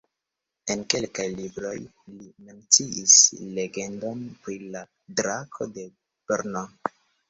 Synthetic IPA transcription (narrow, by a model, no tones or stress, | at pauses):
e̞nke̞lkajlibɾo̞jlime̞nt͡siʔisle̞ɡe̞ndo̞npɾila | dɾakʰo̞de̞ | b̥eɾno